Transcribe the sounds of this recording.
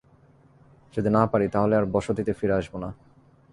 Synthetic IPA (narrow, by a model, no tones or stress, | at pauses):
d͡ʑed̪enapaɾit̪aɦoleaɾbɔʃod̪it̪efiɾeaʃbona